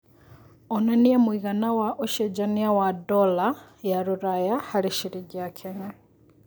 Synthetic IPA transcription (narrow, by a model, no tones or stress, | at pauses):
ononijemwiːɣanawaʔoʃed͡ʒaniawadolajaɾuɾajahaɾiʃiɾiɟakʰeɲa